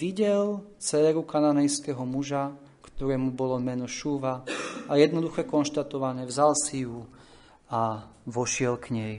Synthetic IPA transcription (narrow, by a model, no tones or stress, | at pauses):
iɟɛlt͡sɛːɾukananɛjskɛɦɔmuʒa | kt̪ɔɾɛːmubɔlɔmɛnɔʃuːʋaajɛd̪nɔd̪uxɛkɔnʃt̪at̪ɔʋanɛːvzalsiju | aʋɔʃɪɛlkɲɛj